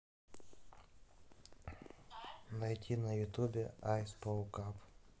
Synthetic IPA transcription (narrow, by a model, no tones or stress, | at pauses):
nɐjtʲinɐjʊt̪ubʲeajspokap